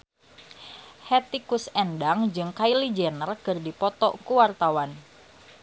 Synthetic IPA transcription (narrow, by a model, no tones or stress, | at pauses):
hɛt̪ikʊsɛndaŋd͡ʒɨŋkailid͡ʒɛnərkɨrdipɔt̪ɔkuwart̪awan